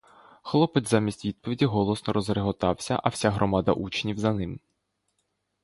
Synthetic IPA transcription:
xlˠɔpɪtʲzamʲisʲtʲʋʲid̪̚pɔʋʲidʲiɦɔlˠɔsnɔɾɔzɾeɦɔt̪ɑwsʲɐ̰ʔɐw̥sʲaɦɾʔɔmɑd̪ɐ̰ʔut͡ʃnʲiwzɐnɪm

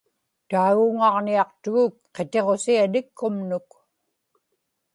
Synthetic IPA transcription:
t̪aːɣuʊŋɑʁniɑqt̪ʊɣʊk̚qe̞t̪e̞ʁo̞sianɪkʰːʊmnʊk

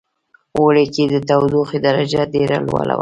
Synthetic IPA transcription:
woleked̪ət̪awd̪uxid̪aɾad͡ʒaɖeɾa̰lwɑ̰la̰wa

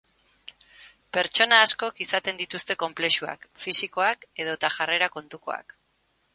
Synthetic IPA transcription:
pe̞ɾt͡ʃo̞naːsko̞kisat̪e̞nd̪it̪ust̪e̞ko̞mple̞ʃua̰kfisiko̞ake̞ð̞o̞t̪aʝare̞ɾako̞nt̪uko̞̰a̰k

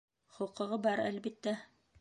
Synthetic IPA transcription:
χŏqɤ̆ʁɤbɑɾælbit̪ːæ

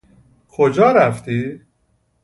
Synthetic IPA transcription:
kʰod͡ʒɒːɾæft̪iː

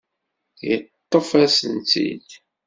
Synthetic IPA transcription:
jət̪ˤːofæsənt̪ḭd̪

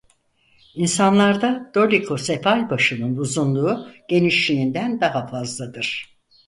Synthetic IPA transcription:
insanlˠaɾd̪ad̪̥o̞lʲikʰo̞sefalʲbaʃɯnɯnbuzunlˠuːɟ̥e̞niʃlʲiind̪ænd̪aɦafazlˠad̪ɯɾ̥

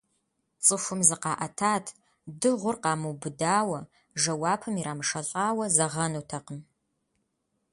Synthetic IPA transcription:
t͡sʼɨfʷʊmzɨqɑːʔɐtʰaːtʰ | dɨʁʷʊrqɑːmɨwbɨdaːwɐ | ʒɐwaːpʰɨmiɾaːmɨʂɐɬʼaːwɐzɐʁɐnutʰɐqəm

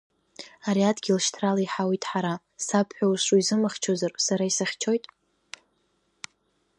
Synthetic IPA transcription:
aɾiadɡʲilʃtʰralaiħawitʼħaɾa | sapʰħʷᶣawʃʷuizɨmaχʲt͡ʃʰozarsaɾaisaχʲt͡ʃʰo̞jtʼ

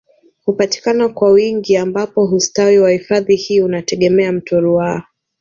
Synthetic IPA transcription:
hupati̥kanakwawiŋɡiambapɔɦustawiwahifaðihiːunatɛɠɛmɛam̩tʰɔɾuaa

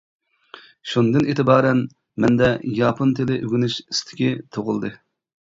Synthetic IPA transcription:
ʃund̪ɨneːt̪ɪbɑːɾɛn | mɛnd̪ɛjɑːpʰont̪ʰɪlɪʔøɡʲynyʃist̪ʰɪ̥kʲit̪ʰoʁʊlˠd̪ɨ

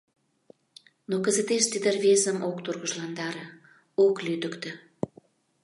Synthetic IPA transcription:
nokə̆zət̪eʃt̪id̪ərβesəmokt̪urɣəʒlɑnd̪ɑɾĕ | oklyd̪əkt̪ə̆

